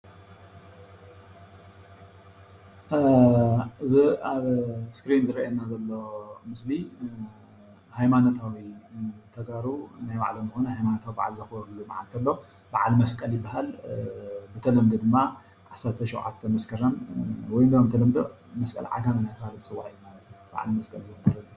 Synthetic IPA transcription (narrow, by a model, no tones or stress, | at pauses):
ʔɨziaβskɾinzɨɾɐʔanːazɐlːomɨsli | hajmanot̪ʰawit̪ʰɐɡaɾunajba̰ʕlomzɨxonɐhajmanot̪ʰawiba̰ʕlzɐxboɾulːuma̰ʕa̰lt̪ʰɐlːo | baʕalmɐskʼɐljɪbːahal | bɨt̪ʰɐlɐmd̪ɐd̪ɨmːa | ʕasɐɾt̪ʰɐʃowʕa̰t̪ʰːɐmɐskʰɐɾɐnwɔjnd̪ɐɐmt̪ʰɐlɐmd̪o̰ | mɐskʼɐ̰lʕa̰ɡamɐnat̪ʰɐbalɨsʼɨwaʔijumalɐt̪ʰjuba̰ʕa̰lmɐskʼɐlzɨmɐbɐɾɐd̪u